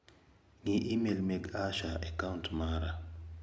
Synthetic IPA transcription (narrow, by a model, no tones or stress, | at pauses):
ŋiʔimelmeɡaʃaɛkauntmaɾa